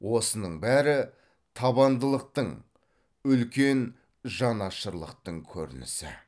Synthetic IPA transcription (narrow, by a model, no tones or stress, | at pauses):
wo̞sənəɴbæɾɪ | t̪ʰɑbɑnd̪əlˠəq̚t̪əɴ | ʏlkʲe̞n | ʒɑnɑʃəɾlˠə̰q̚t̪əɴkʲʰɵ̰ɾɪ̰nɪ̰sɪ̰